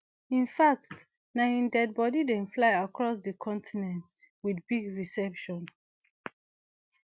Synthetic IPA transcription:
ĩnfakt | naĩndɛd̚bɔdidɛ̃nflaɪakʰɹɔsdəkʰɔ̃ntʰinɛ̃nt | wiθbiɡɹisɛpʃɔ̃n

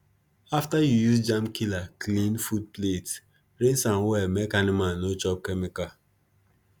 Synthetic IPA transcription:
aftajujusd͡ʒamkilaklĩnfud̚plet | ɾesãmwɛmekanimanːot͡ʃɔp̚kemika

